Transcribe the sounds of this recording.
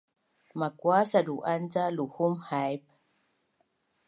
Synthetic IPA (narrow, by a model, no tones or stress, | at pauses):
makwasaduʔand͡zaluhumhajp̚